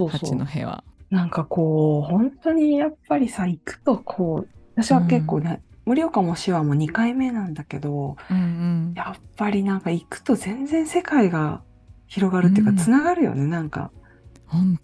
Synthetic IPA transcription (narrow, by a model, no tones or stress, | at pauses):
so̞ːso̰ːnohḛa̰nãŋkako̞ːhõ̞nt̪o̞ɲ̟ijapːaɾʲisaikɯ̥t̪o̞kʰo̞ːat̪aɕiβake̞kːo̞ːnemɯ̟ɾʲio̞kamoɕiβamo̞ɲ̟ikaime̞nãnd̪ake̞d̪o̞ | japːaɾʲinãŋkaikɯ̟̥t̪o̞zẽ̞nd͡zẽ̞ɰ̃se̞kaiɡa | çiɾo̞ɡaɾɯ̟t̪ːeɯ̟kat͡sɨnaɡaɾɯ̟jo̰ne̞nãŋka̰